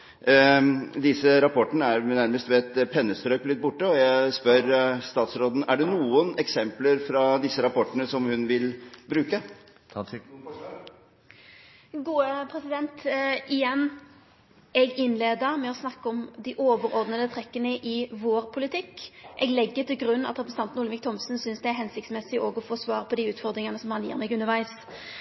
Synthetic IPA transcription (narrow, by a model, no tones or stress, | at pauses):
d̪ɪsəɾɑpʰɔʈːənəæɾnæɾməst̪ʋɛɛt̪pʰɛnːəst̪ɾøːklɪt̪̚ːbʊʈːəɔjæɪspœɾst̪ɑːt̪sɾoːd̪n̩æɖɛnuːənɛksɛmpləɾfɾɑd̪ɪsːəɾɑpʰɔʈːəɳəsɔmhʉnʋɪlbɾʉːkə | ɡuːəpʰɾɛsɪd̪ɛnt̪ʔɪjɛnː | ɛɡɪnleːd̪əʁmɛɔsnɑkːəɔmd̪ɪʔoːʋəɾɔʁd̪nəd̪ət̪ʰɾɛkːənəʔɪʋoːɾpʰʊlɪt̪ʰɪkːʔɛɡlɛɡːət̪ɪlɡɾʉnːɑt̪ɾɛpɾəsn̩ɑnt̪nʊlmʋɪkt̪ʰɔmsnsʏnsd̪ɛæɦɛnsɪk̚t̪smɛsɪʔoːɡɔfoːsʋɑːʁpʰɔd̪iʉːt̪fɔʁd̪ɾɪŋɑnəsɔmhɑnjḭːʁmɛɡʉnəʁʋæɪs